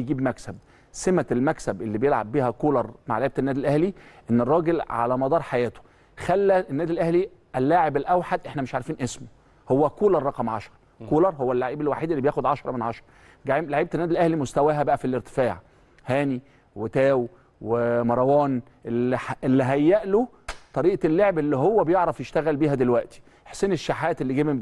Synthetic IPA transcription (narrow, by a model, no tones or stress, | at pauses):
jɡiːbmæksæb̚ | semæelmæksæbʔelːibejelʕa̰bbiːhækoːlɑɾˤma̰ʕlaʕiːbæt̪ænːæːd̪ilʔæhliʔenːerˤːɑːɡelʕa̰læmɑd̪ˤɑːɾˤħajæːt̪o̥ | xælːæʔenːæːd̪ilʔæhli | ʔælːaːʕebelʔæwħad̪ʔeħnæmeʃʕaɾfiːnʔesmo | howːækoːlɑɾˤːɑqɑmʕɑʃɑɾˤɑ | koːlɑɾˤhowːælːaʕiːbelwaħiːd̪elːibjæːxod̪ʕɑʃɾˤɑmenʕɑʃɾˤɑ | ɡaʕiːmlaʕiːb̚t̪enːæːd̪ilʔæhlimost̪æwæːɦæbæʔæfilʔeɾt̪e̥faːʕ | hæːni | wet̪æːw | wemɑɾˤɑwɑːn | ʔelelːiɦæjːæʔlo | t̪ˤɑɾiːʔlːoʕebelːiɦowːæbejeʕɾˤɑfjeʃt̪æɣælbiːhæd̪elwæʔt̪i̥ | ʔeħsːeːneʃːaħæːt̪elːiɡæːbe